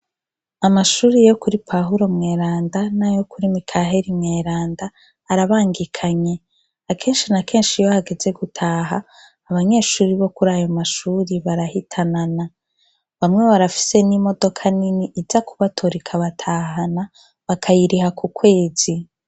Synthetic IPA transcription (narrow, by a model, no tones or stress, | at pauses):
amaʃuːɾijo̞kuɾipʰaɦuɾo̞mŋe̞ːɾaːndanajo̞kuɾimikʰaɦe̞ɾimŋe̞ːɾaːndaː | ɾaβaːŋɡikʰaɲe̞ | akʰeːnʃinake̞ːnʃijohaɡe̞ze̞ɡutʰaːɦaː | βaɲe̞ːʃuːɾiβo̞kuɾajo̞maʃuːɾiβaɾahitʰanana | βamŋe̞βaɾafi̥se̞nimo̞do̞kʰaniniʔizakuβatʰoɾikʰaβatʰaɦana | βakʰajiɾihakukwe̞ːz̥i